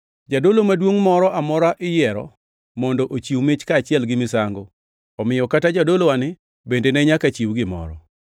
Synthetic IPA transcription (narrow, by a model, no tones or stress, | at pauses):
d͡ʒadolomadwoŋmɔɾɔʔamɔɾaʔɪjɛɾɔ̰ | mɔndoʔot͡ʃiwmɪt͡ʃkaːt͡ʃɪɛlɡɪmɪsaŋɡo | ɔmɪjɔkatad͡ʒadolowanɪ | bendenɛɲakat͡ʃiwɡɪmɔ̰ɾɔ̰